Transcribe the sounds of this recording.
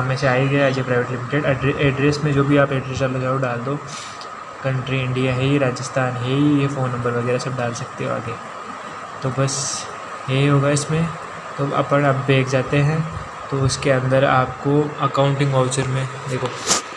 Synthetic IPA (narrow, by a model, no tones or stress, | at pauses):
ɦɐmẽseaːiɡɐjad͡ʒepɾaːɪʋeːʈlɪmɪʈeɖɐɖɾeʔɛːɖɾeːsmẽd͡ʒoːbʱiaːpeːɖɾeːs̬ɖaːloɡaoɖaːld̪oː | kɐ̃ɳʈɾiɪ̃ɳɖijaɦɛɾaːd͡ʒəst̪ʰaːnɦɛijefoːnːɐ̃mbəɾʋɐɡɛːɾasɐb̚ɖaːlsɐk̚t̪eɦɛa̰ːɡe | t̪oːbɐs | ɦeɦiɦoːɡaɪsmẽ | t̪oɐ̰pəɽɐbbʱeːkʰd͡ʒaːt̪eɦɛ̃ | t̪oʊskeɐ̃nd̪əɾa̰ːp̚koɐkaːʊ̃ɳʈɪ̃ŋɡɔːft͡ʃəɾmẽd̪eːkʰo